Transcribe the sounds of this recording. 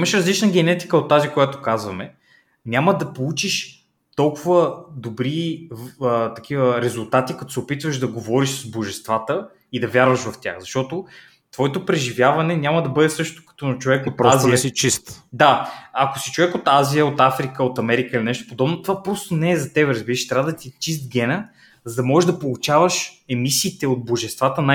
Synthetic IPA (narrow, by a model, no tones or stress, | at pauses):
imɐʃɾɐzlit͡ʃnəɡɛnɛt̪i̥kəot̪ːazikojat̪o̥kazvɐmɛ | nʲaməd̪ɐpolˠut͡ʃiʃ | t̪ɔlˠkʊvəd̪obɾi | ət̪ɐkʰivəɾɛzʊlˠt̪at̪ikɐt̪o̥sɛopit̪vəʃd̪ɐɡovɔɾiʃszboʒɛst̪vat̪ə | id̪ɐvjaɾvɐʃvɐft̪ʲja̰xzɐʃt̪ɔt̪o | t̪vɔɛt̪opɾɛʒivjavɐnɛnʲaməd̪ɐbɤd̪ɛsɤʃt̪o̥kɐ̥t̪ɔt͡ʃovɛkot̪ɾaziɛsit͡ʃist̪d̪aɐkosit͡ʃovɛkot̪azijəot̪afɾikəot̪ɐmɛɾikəilinɛʃt̪o̥pod̪ɔbnot̪ovapɾɔst̪onɛːzɐt̪ɛbɛɾəzbiɾəʃi̥t̪ɾʲabəd̪ɐt̪it͡ʃist̪̚ɡʲɛnə | zɐd̪ɐmɔʒɛʒd̪ɐpolˠut͡ʃavəʃɛmisiːt̪ɛod̪̚boʒɛst̪vat̪əna